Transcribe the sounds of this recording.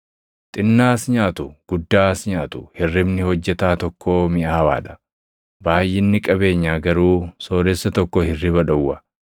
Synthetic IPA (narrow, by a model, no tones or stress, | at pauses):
t̪ʼɪnːaːsɲaːt̪ʊɡ̥ʊd̪ːaːsɲaːt̪ʊhɪrːɪbnɪhɔd͡ʒːɛt̪aːt̪ɔkʰːoːmɪʔɐːɐwa̰ːd̪ɐ̥ | baːjːɪnːɪkʼɐbe̞ːɲːaːɡɐɾuːso̞ːɾɛsːɐt̪ɔkːɔhɪrːɪbɐᶑɐwːɐ